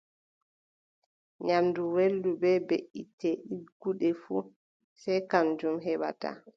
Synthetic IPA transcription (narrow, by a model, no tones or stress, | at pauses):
ɲamduwelːubɛbeʔːitɛɗiɡuɗɛfu | sɛjkand͡ʒumɦɛɓa̰ta̰